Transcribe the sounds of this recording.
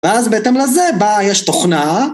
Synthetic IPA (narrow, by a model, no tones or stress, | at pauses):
veazbeet̪emlezebajeʃt̪oχna